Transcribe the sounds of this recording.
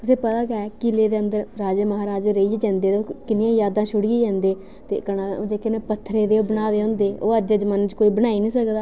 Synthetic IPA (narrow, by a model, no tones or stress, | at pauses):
t̪ʊsĩːpət̪aːɡɛːkɪleːd̪eːənd̪əɾɾaːd͡ʒeːməɦaːɾaːd͡ʒeɾəiːd͡ʒd͡ʒɛ̃ːnd̪eːt̪oːkɪnɪjãːjaːd̪ãːʃʊɽiiːd͡ʒɛ̃ːnd̪eː | t̪ḛːkəɽ̃ãːoːd͡ʒeːkenepət̪ʰːɾeːd̪eːoːbənaːd̪eːɦõːnd̪eːoːəd͡ʒeːd͡ʒmənt͡ʃkoːiːbəɽ̃aːiːnĩːsəkd̪aː